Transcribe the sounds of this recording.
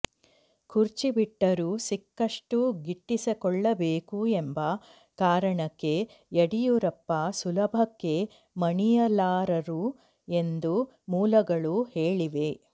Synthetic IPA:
kʰuɾt͡ʃibiʈːɐɾusikːɐʂʈuɡiʈːisɐkɔɭːɐbeːkue̞mbɐ | kaːɾɐɳɐkːe̞ | ɐɽijuɾɐpːɐsulɐbʱɐkːe̞ | mɐɳijɐlaːɾɐɾu | e̞nd̪u | muːlɐɡɐɭuheːɭiʋe̞

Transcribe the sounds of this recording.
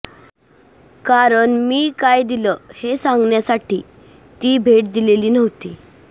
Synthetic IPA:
kaɾəɳmiːkajd̪iləhesãŋɡɳjasaʈiː | t̪iːbʱeʈ̚d̪ileliːnəʋt̪iː

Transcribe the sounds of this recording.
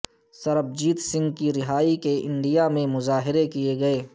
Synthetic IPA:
sɐɾəb̚d͡ʒiːt̪sɪ̃ŋɡkiɾɪɦaːikeʔɪ̰̃ɳɖijamẽmʊzaːɦɪɾekijeɡɐeː

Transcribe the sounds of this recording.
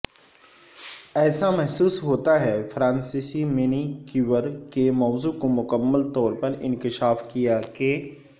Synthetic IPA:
ɛːsamɛɦsuːsɦoːt̪aɦɛfʰɾãːnsisimɪnikuʋəɾkemɔːzukomʊkəmːəlt̪ɔːɾpɐɾɪ̰̃nkɪʃaːfkijake

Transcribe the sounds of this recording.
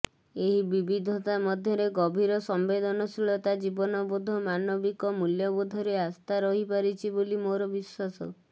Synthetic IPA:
eɦibibid̪ʱɔt̪amɔd̪ʱjɔɾeɡɔbʱiɾɔsɔmbed̪ɔnɔsilɔt̪ad͡ʒibɔnɔbod̪ʱɔmanɔbikɔmuljɔbod̪ʱɔɾeast̪ʰaɾɔɦipaɾit͡ʃʰibolimoɾɔbiswasɔ

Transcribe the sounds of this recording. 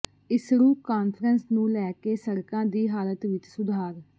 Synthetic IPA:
ɪsɾuːkaːnpʰəɾənsnũːlɛːkeːsəɾkãːd̪iːɦaːlət̪ʋɪt͡ʃsʊd̪ʱaːɾ

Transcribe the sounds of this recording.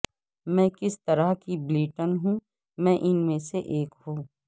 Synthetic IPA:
mɛ̃ːkɪst̪ɐɾaɦkibliːʈənɦũː | mɛ̃ːʔɪnmẽseʔeːkɦũː

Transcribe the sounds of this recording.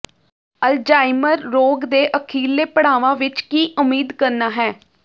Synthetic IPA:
əld͡ʒaːɪməɾːoːɡd̪eːʔəkʰiːlːeːpəɽaːʋãːʋɪt͡ʃkiːʔʊmiːd̪kəɾnaːɦɛː

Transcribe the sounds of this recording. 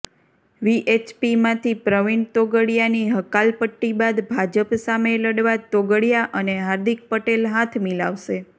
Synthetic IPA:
ʋiʔet͡ʃpimãt̪ʰipɾəʋiɳt̪oɡəɽjaniɦəkalpəʈːibad̪bʱad͡ʒəpsameləɽʋat̪oɡəɽijaʔəneɦaɾd̪ik̚pəʈelɦat̪ʰmila̰ʋʃe

